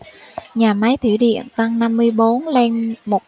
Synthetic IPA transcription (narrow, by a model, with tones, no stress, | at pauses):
ɲaː˨˩ma˨˦jt̪ʰi˧˩wɗḭ˧˨ənt̪a˧ŋna˧mːɨ˧əjɓo˨˦nlɛ˧nmo˨˩t̚